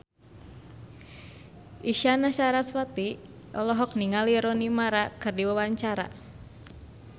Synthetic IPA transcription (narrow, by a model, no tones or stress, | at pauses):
ʔiʃanaʃaɾaswat̪i | ʔɔlɔɦɔk̚niŋaliɾɔnimaɾakɨrdiwawaɲt͡ʃaɾa̰